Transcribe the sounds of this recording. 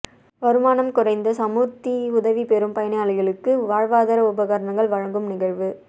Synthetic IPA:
ʋɐɾɯmaːnɐmkʊrɐɪnd̪ɐsɐmuːt̪ːiʊðɐʋipɛɾɯmpɐjɐnɐjaːlɪɣɐɭɯkːɯʋaːɻʋaːðɐɾɐʊbɐɣaɾɐɳɐŋɡɐɭʋɐɻɐŋɡɯmnɪɣɐɻʋɯ

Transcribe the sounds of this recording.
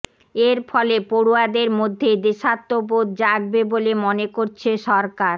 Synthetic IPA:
eɾfʰɔlepoɽuad̪eɾmod̪ʱːed̪eʃat̪ːopod̪d͡ʑaɡ̚bebolemonekoɾt͡ɕʰeʃɔɾkaɾ

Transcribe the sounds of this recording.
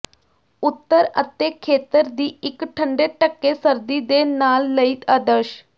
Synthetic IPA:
ʊt̪ːəɾə̰t̪eːkʰeːt̪əɾd̪iːɪkʈʰəɳɖeːʈəkːeːsəɾd̪iːd̪eːnaːlːəiːt̪əd̪əɾʃ

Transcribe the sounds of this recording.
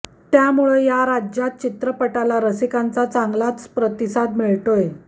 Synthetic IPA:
t̪jamuɭejaɾad͡ʑjat̪̚t͡ɕit̪ɾəpəʈalaɾəsikant͡sat͡saŋɡlat͡spɾət̪isad̪miɭʈoje

